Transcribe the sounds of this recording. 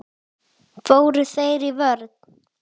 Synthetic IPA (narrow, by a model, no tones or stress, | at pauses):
foːwɾʏθejɾivœɾt̪